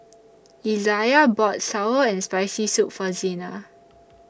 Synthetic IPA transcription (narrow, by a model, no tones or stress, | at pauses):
izajabɔtsawəɛ̃nspaɪsisukfɔzĩna